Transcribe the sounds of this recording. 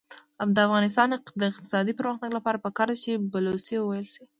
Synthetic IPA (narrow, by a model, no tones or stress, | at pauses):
amd̪əafɣɑnɪs̬t̪ɑnɪd̪əɪq̚t̪ɪ̥sɑd̪ipəɾməxnaɡlapɑɾapəkɑɾd̪at͡ʃebalosewəwajəlsi